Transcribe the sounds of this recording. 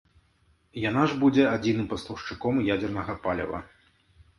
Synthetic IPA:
janaʐbud͡zʲɛad͡zʲin̪ɨmpɐstlˠɐʂt͡ʂɨkɔmjad͡zʲɛrnɐɣɐpalʲɐ̰vɐ̰

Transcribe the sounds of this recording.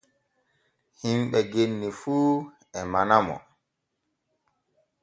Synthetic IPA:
himɓɛɡenːifuː | ɛmanamɔ̰

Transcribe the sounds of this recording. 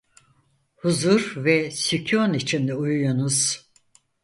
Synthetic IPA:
huzuɾvɛsycʰonit͡ʃʰind̪ɛujujunuz̥

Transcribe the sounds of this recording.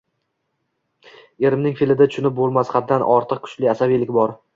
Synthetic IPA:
e̞ɾɪmnɪŋfilɪd̪at͡ʃʰʊnɪp̚bolˠmasχad̪̚d̪ːanʔɒɾt̪ʰɨq̚kʰʊ̥t͡ʃlɪasabijlɪkʲbɒɾ

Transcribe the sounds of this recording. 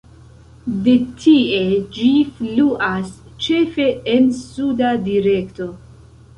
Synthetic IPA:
de̞tʰie̞d͡ʒifluʔas | t͡ʃe̞fe̞ensudadiɾe̞kto̞

